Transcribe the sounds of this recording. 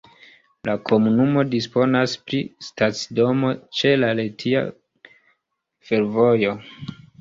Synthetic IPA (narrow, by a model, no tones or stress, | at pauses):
lakʰo̞munumo̞dispo̞naspɾistat͡sdo̞mo̞t͡ʃe̞laletʰia̰ | fe̞ɾvo̞jo̞